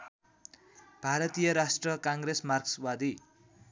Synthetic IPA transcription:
b̥ʱaɾʌt̪ijʌɾasʈrʌkaŋɡresmarkswad̪i

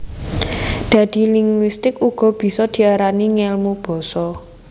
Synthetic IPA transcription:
d̪̥a̤d̪̥i̤liŋɡwist̪ɪkuɡ̥ɔ̤b̥i̤sɔd̪̥i̤aɾaniŋɛlmub̥ɔ̤sɔ

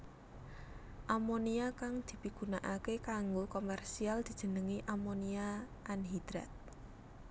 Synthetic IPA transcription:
ʔamoniakaŋd̪̥i̤piɡ̥ṳnaʔakekaŋɡokomɛrsiald̪̥i̤̥ʒ̥ə̤nəŋiʔamonia | ʔanɦid̪̥ɾat̪̚

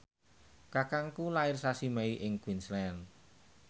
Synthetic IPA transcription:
kakaŋkulaɪrsasimɛiʔɪŋkwinslɛn

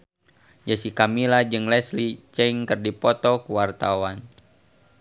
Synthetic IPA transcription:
d͡ʒasikamilad͡ʒɨŋlɛslit͡ʃɛiŋkərdipɔt̪ɔkuwart̪awan

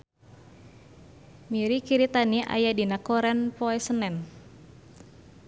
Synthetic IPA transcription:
miɾikiɾit̪aniʔa̰jadinakɔɾɛnpɔɛsənɛn

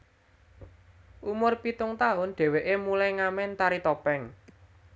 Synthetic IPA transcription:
ʔumʊrpit̪ʊŋt̪aʊnɖ̪̥ɛ̤weʔemulajŋamɛnt̪aɾit̪ɔpɛŋ

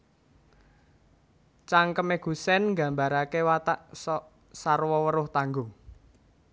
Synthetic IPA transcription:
t͡ʃaŋkəmeɡ̥ṳsɛnŋɡa̤mbaɾakewat̪aʔsɔ | sarwɔwəɾʊht̪aŋɡʊŋ

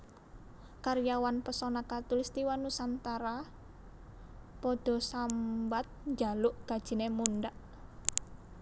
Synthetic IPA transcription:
kaɾjawanpəsɔnakat̪ʊlst̪iwanusant̪aɾa | pɔd̪̥ɔ̤sambat̪̚ɲd͡ʒalʊʔɡ̥a̤d̥ʒ̥i̤nemunɖaʔ

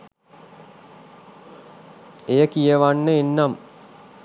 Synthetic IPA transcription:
ejəkijəʋanːəenːam

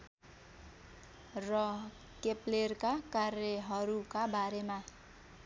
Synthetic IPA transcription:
rʌ | keplerkakarjeɦʌɾukabaɾema

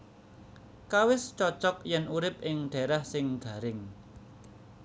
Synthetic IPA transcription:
kawɪst͡ʃɔt͡ʃɔk̚jɛnuɾɪp̚ɪŋɖ̥ɛ̤ɾahsɪŋɡ̥ä̤ɾɪŋ

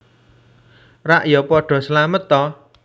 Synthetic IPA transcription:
raʔjɔpɔɖ̥ɔ̤slamət̪ɔ

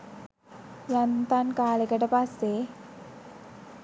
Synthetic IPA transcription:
jant̪ankaːlekəʈəpasːe

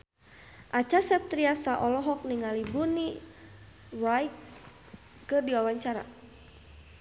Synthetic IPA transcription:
ʔat͡ʃasɛp̚t̪ɾiasaʔɔlɔɦɔk̚niŋalibuni | rajk | kɨrdiwawaɲt͡ʃaɾa̰

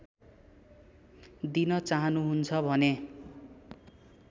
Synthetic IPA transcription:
d̪inʌt͡saɦʌnuɦunt͡sʰʌbʱʌne

